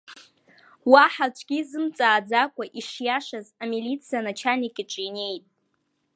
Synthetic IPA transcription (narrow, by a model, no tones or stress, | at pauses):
waħat͡ʃʷʰɡʲizɨmt͡sʼaːd͡zakʷʼaʔiʂjaʂazamilit͡sʰijanat͡ʃʰanikʲʼiʈ͡ʂʼine̞jtʼ